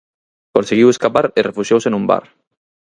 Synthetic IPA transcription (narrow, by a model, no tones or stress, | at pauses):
kõnseɣiweskapaɾerefuʃjowsenũmba̰ɾ